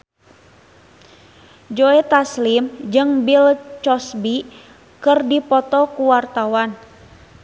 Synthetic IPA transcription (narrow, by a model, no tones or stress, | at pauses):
d͡ʒoɛt̪aslimd͡ʒɨŋbilt͡ʃɔsbi | kɨrdipɔt̪ɔkuwart̪awan